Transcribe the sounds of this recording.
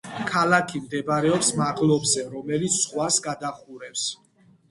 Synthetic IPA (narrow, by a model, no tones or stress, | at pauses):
kʰalakʰimd̪ɛbaɾɛɔpsmaʁlˠɔbzɛɾɔmɛlit̪sʰsχwasɡad̪aχuɾɛps